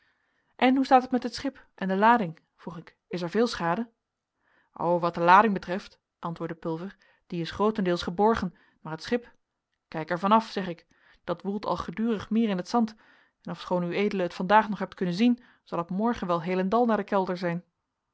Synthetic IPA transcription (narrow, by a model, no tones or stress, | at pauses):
ʔɛnɦustaːtətmɛtɦətsχɪp | ʔɛndəlaːdɪŋ | v̥ruχɪk | ɪs̬ɛɹvɪːlˠsχaːdə | ʔo̰wʋɑt̚dəlaːdɪŋbətrɛft | ʔɑntʋʊːɹdəpɵlˠvəɹ | d̥iɪsχrowtəndɪːlˠsχəbɔɹχən | maːɹɦətsχɪp | kɛjkɛɹvɑnɑfsɛχɪk | d̥ɑtʋulˠtʰɑ̰lˠχədyːrəχmɪːɹɪnɦətsɑnt | ɛnɔfsχoːnyejdələɦətfɑndaːχnɔχɦɛp̚tkɵnənzin | z̥ɑlˠɔpmɔɹχənʋɛlˠɦejlɛndɑlˠnaːɹdəkɛlˠdəɹzɛjn